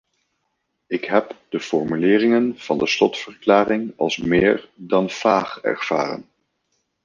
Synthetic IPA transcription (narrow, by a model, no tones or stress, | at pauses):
ɪkɦɛpd̥əfɔɹmylɪːrɪŋənv̥ɑndəslɔtfəɹklaːrɪŋɑlˠsmɪːɹdɑnv̥aːχɛ̰ɹv̥a̰ːrə̰n